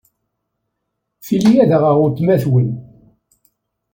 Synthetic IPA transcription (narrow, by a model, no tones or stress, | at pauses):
θilijæðəʁəʁʊɾt̪ːmæθwin